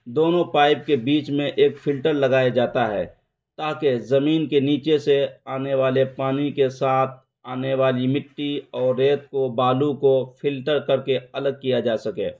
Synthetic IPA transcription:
d̪oːnõpaːɪb̚kebiːt͡ʃmẽʔeːkfʰɪlʈəɾlɐɡaːjad͡ʒaːt̪aɦɛ̰ː | t̪aːkezɐmiːnkeniːt͡ʃeseaːneʋaːlepaːnikesaːt̪ʰ | aːneʋaːlimɪʈːiɔːɾːeːt̪̚kobaːlukopʰɪlʈəɾkəɾkeɐləɡ̚kijad͡ʒaːsɐkḛː

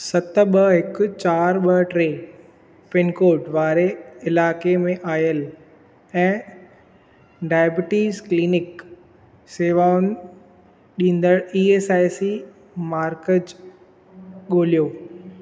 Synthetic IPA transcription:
sɐt̪ɓɐɦɪkʊt͡ɕaːɾɓɐʈɾeː | pɪnkoːʈʋaːɾeɪlaːkemẽʔaːjəl | ɛ̃ː | ɖaːjbɪʈiːzkliːnɪk | seːʋaːʊn | ɗĩːn̆d̪əɽiːeːsaːisi | maːɾkəd͡ʑ | ɠoːlijoː

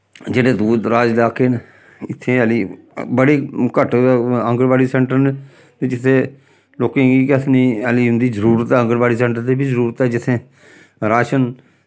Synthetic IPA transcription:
d͡ʒeːɽẽːd̪uːd̪ɾaːd͡ʒlaːkeːn | ɪt̪ʰːẽːəliː | bəɽeːkəʈə̃ŋɡəɽʋaːɽiːsɛ̃ːɳʈəɾne | t̪eːd͡ʒɪt̪ʰːeː | loːkẽːɡiːkət̪ʰniːəliːɦʊ̃nd̪iːzəɾuːɾət̪ɛːə̃ŋɡəɽbaːɽiːsɛ̃ːɳʈəɾt̪eːbiːzəɾuːɾət̪ɛːd͡ʒɪt̪ʰːẽː | ɾaːʃən

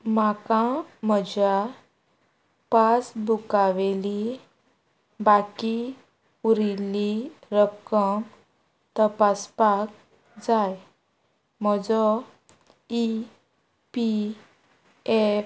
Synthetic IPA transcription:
makãməd͡ʑa | pasbʱukaʋeli | baki | uɾiliɾəkəŋ | t̪əpaspak̚ | d͡zaj | mɔd͡zɔ | i | pi | e

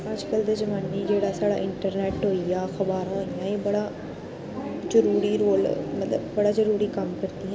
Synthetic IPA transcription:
ad͡ʒkəld̪eːzəmaːniːd͡ʒeːɽaːsaːɽa̰ːʔɪɳʈəɾnɛːʈɦoːijaːxʰəbaːɾãːɦoːijãːeːbəɽaː | zəɾuːɾiːɾoːlmət̪ləbbəɽaːzəɾuːɾiːkəmkəɾd̪iːɦɛ̃ː

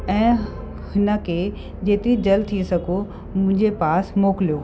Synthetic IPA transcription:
ɛ̃ː | hɪnə̆kʰeː | d͡ʑeːt̪ɪɾid͡ʑɐlt̪ʰiesɐɡʱo | mʊ̃ɦɪ̃ɲ̆d͡ʑepaːsmoːkɪlijoː

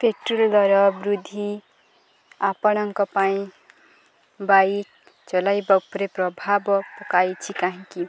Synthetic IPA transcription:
pʰeʈruld̪ʌɾʌbrud̪ʱi | apʌɽ̃ʌŋkʌpaĩ | ba | t͡sʌlajbʌpɾeprʌbʱabʌpʌkajt͡sʰikaɦĩki

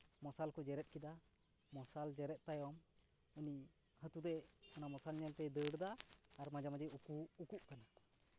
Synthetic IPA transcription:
mɔsalkɔd͡ʒɛɾɛt̪̚kid̪a | mɔsald͡ʒɛɾɛt̪̚t̪ajwɔm | uni | hət̪ud̪ɛɔnamɔsalɲɛlt̪ɛd̪əɽd̪aːɾmad͡ʒamad͡ʒɛjukuːkuʔkana

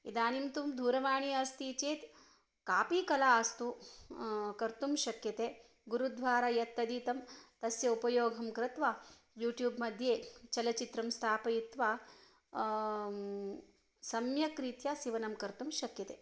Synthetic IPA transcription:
ḭd̪aːnimt̪umd̪ʱuːɾɐʋaːɳiɐst̪iːt͡ʃeːt̪ | kaːpiːkɐlaːst̪u | kɐɾt̪umʃɐkjɐt̪eː | ɡuɾud̪ʱʋaːɾajɐt̪ːɐd̪iːt̪ɐmt̪ɐsjɐupɐjoːɡʱɐmkɾɐt̪ʋaː | juːʈjuːbmɐd̪ʱjeːt͡ʃɐlɐt͡ʃit̪ɾɐmst̪ʰaːpɐjit̪ʋaː | sɐmjɐkɾiːt̪jasiʋɐnɐmkɐɾt̪umʃɐkjɐt̪eː

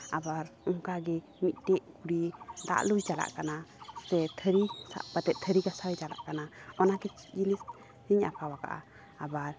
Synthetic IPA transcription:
abaɾɔŋkaɡɛ | mit̪̚ˀʈɛʔkuɽid̪a̰ʔlujd͡ʒala̰ʔkanasɛt̪ʰəɾisa̰pat̪ɛt̪̚t̪ʰəɾiɡasajd͡ʒala̰ʔkanaɔnakɛt͡ʃd͡ʒinis | hiɲa̰pʰawaɡa̰ʔa̰ː | baɾ

